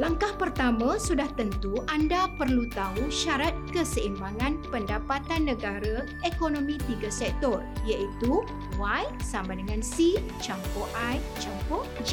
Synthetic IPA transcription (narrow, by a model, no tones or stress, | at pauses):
laŋkahpərt̪amãsudaht̪ənt̪uʔandapərlut̪auʃaɾat̪̚kəsəimbaŋãnpəndapat̪anːə̃ɡaɾa | ekonõmĩt̪iɡasɛk̚t̪ɔrijaʔit̪u | wajsamãdəŋãnsi | t͡ʃampɔʔaj | t͡ʃampɔd͡ʒi